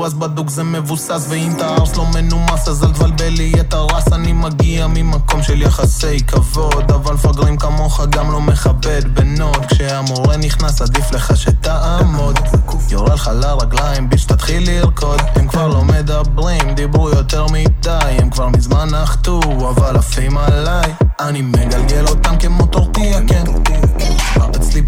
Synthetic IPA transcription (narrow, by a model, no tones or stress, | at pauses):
ʁasbad̪ukzeme̞vusasveimt̪aaʁslo̞menumasazalvalbeliat̪aʁasanimaɡiamimako̞mʃeljaχase̞jkavo̞d̪avalfaɡʁimkamo̞χaɡamlo̞me̞χabe̞d̪beno̞t̪kʃeamuʁeniχnasad̪ifle̞χaʃet̪aʔamod̪ | joʁelχalaʁaɡlaimbiʃt̪at̪χilːiʁko̞d̪emkvaʁlo̞me̞d̪abʁimd̪ibʁujo̞t̪e̞ʁmit̪ajemkvaʁmizmanaχt̪u | avalafimalajanimeɡalɡe̞lo̞t̪amkemot̪oʁt̪iaken | a̰ʁet͡sli